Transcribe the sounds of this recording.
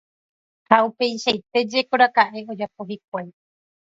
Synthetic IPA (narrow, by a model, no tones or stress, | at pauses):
haupe̞jʃajt̪e̞d͡ʒe̞koɾakaʔe̞o̞d͡ʒap̚o̞ɦik̚ʷaj